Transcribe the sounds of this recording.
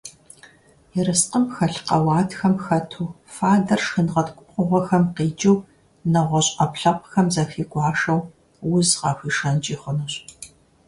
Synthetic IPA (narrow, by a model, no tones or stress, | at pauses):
jɪɾɨsqəmxɐɬqɐwɑːtxɐmxɐtʰuː | faːdɐrʃxɨnʁɐtʰkʷʼʊqʷʼʊʁʷɔxɐmqiːd͡ʒʼɪw | nɐʁʷɔɕʼɐpɬɐpʷʼxɐmzɐxiːɡʷʼɑːʂɐw | wʊzʁɑːxʷiːʂɐnt͡ʃʼiːχʷʊnɨɕʼ